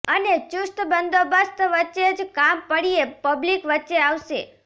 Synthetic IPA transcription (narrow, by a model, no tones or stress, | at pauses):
ənet͡ʃʊst̪bənd̪obəst̪ʋətːʃed͡ʒkampəɽiepəblikʋətːʃeaʋʃḛ